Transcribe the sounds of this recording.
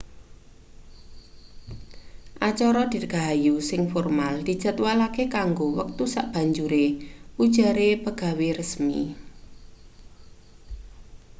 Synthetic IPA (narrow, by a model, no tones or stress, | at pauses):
ʔat͡ʃɔɾɔd̪̥i̤ɡ̥a̤ɦajusɪŋfɔrmald̪̥i̤̥d͡ʒə̤t̪walakekaŋɡowək̚t̪usaʔb̥a̤ɲd͡ʒuɾeud̥ʒ̥a̤ɾepəɡ̥a̤weɾəsmḭ